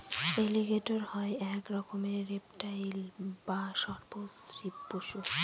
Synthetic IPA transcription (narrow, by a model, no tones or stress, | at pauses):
eliɡeʈoɾhɔeɛkɾɔkomeɾepʈajlbaʃɔɾposɾipːoʃu